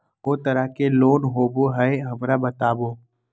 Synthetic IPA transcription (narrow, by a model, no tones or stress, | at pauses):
ɦoːt̪ɐɾəɦkeloːnɦoːboɦɛeɦɐmɾabɐt̪aːboː